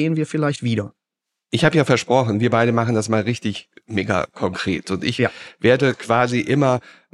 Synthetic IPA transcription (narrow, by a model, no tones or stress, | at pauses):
eːənviːɐfɪlaɪçtv̥iːɾɐ | ʔɪçhaːbəjaːfɛɐʃpʁ̥ɔχn̩viːɐbaɪɾəmaχn̩dasmaːlʁɪçtɪçmeːɡa̰kʰɔŋkʁ̥ḛːtʰʊntɪ̰çveːɐdəkv̥aːziʔɪmɐ